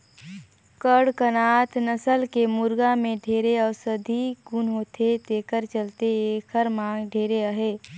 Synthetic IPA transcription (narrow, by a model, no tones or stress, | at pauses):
kəɽkənaːt̪nəsəlkemʊɾɡamẽɖʱeːɾeɔːɾsəd̪ʱiɡunɦoːt̪ʰet̪eːkəɾt͡ʃəlt̪eeːkʰəɾmãːŋɡɖʱeːɾeəɦeː